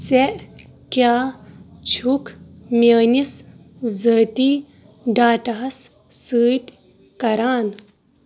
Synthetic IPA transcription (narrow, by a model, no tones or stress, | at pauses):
seʔkjaːt͡ʃʰukmʲɐːnis | zəːt̪iː | ɖaːʈɐɦɐsː | ɨːt̪ | kɐɾaːn